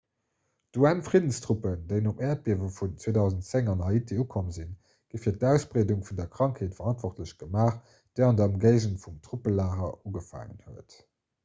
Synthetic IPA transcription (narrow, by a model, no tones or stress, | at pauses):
d̥uænfʁidənstʁupəndeɪnopɛːɐt̚b̥iɐvəfunt͡sweːdɑʊzən̩tt͡seŋɑnɦɑɪitʰeukʰomzin | ɡ̥əfiːɐt̚tæʊsb̥ʁeːduŋfundɐkʁɑŋkʰheːtfəʁɑntv̥ɔχtləɕɡ̥əmaːχ | d̥eɪɑndɐmɡeɪʑənfumtʁ̥upəlaːʁɐuɡəfa̰ːŋə̰nhuət